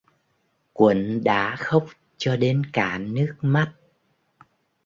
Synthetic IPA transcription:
kwə˧˩nɗa̰ː˧˥xə˦˥wk͡p̚ | t͡ɕɔ˧ɗe˧nkaː˧˩nɨ˦˥ək̚ma˦˥t̚

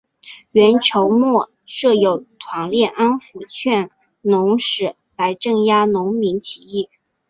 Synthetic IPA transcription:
ɥɛ˧˥nʈ͡ʂʰo˧˥ʊmwɔ˥˩ | ʂɤ˥˩jo˨˩ʊt̪ʰwɑ˧˥ŋljɛ˥˩ʔa˥nfu˧˥t͡ɕʰɥɛ˥˩n | nʊ˧˥ŋʂɻ̩˨˩ | la˧˥ɪʈ͡ʂɤ˥˩ŋja˥nʊ˧˥ŋmi˧˥ŋt͡ɕʰi˧˥i˥˩

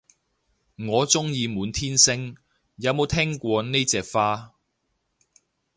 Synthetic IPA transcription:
ŋɔː˨˧t͡sʊ˥ŋjiː˧muː˨˥nt̪ʰiː˥nsɪ˥ŋ | jɐ˨˧wmo˨˧˥wt̪ʰɛː˥ŋkʷɔː˧ne˥jt͡sɛː˧k̚faː˥

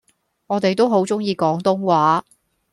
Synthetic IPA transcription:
ŋɔː˨˧t̪e˨jt̪o˥wɦo˨˥wt͡sʊ˥ŋjiː˧kɔː˨˥ŋt̪ʊ˥ŋwaː˨˥

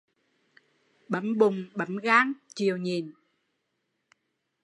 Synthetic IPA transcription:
ɓə˨˦mɓʊ˨˩ŋ͡mɓə˨˦mɣaː˧˦˥ŋt͡ɕi˨əwɲi˨˩n

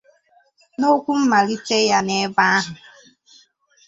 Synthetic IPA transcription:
no˦kʷu˦m̩˦ma˨ɾi˦te˦ja˦ne˦ba˦a˦ɦʊ˨

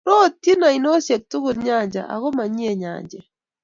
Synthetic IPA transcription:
ɾo˦ti˦na˨i˨no˦sje˨k̚tu˦ɣu˨lɲaɲd͡ʒa̰˨ʔa̰˨ɣo˦maɲi˦ɛɲa̰ː˨ɲd͡ʒɛ

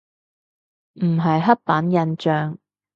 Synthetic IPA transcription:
m̩˨˩ɦɐ˨jɦɐ˥t̚paː˨˥njɐ˧nt͡ʃœː˨ŋ

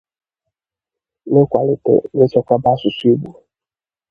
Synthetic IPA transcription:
ne˦kʷa˨lɪ˨tḛ˨ne˦t͡ʃɔ˦kʷa˦ba˦su˨si˦bu˨

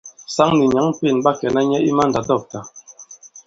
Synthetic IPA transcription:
sa˦ŋni˨ɲa˨˦ŋpi˦˨nba˦kɛ˨na˦ɲɛ˦i˦ma˦nda˨dɔ˦˨k̚ta˨

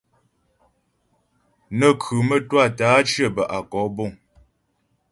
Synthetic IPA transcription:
nə˨kʰʉ˨mə˦˨twa˦˨taː˨˦t͡ʃjə˦˨bə˨ʔa˨kɔ˨˦bo˦˨ŋ

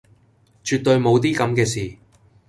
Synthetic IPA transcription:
t͡ʃyː˨t̚t̪ːɵ˧ɥmo˨˧wt̪iː˥kɐ˨˧mkɛː˧siː˨˩

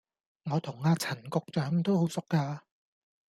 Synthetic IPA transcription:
ŋɔː˨˧t̪ʰʊ˨˩ŋːaː˧t͡sʰɐ˨˩nkʊ˧k̚t͡ʃœː˨˥ŋt̪o˥who˨˥wsʊ˨kːaː˧

